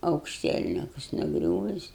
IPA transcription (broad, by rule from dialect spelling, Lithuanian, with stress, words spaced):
ɐʊkʃʲˈtʲiɛlʲnʲɪkʊs nʊˈɡrʲuːʋʲɪs